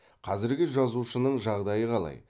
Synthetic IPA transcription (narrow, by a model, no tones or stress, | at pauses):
qʰɑzɪɾɡʲɪʒɑzuʃənəɴʒɑʁd̪ɑjəqʰɑlˠɑ̰j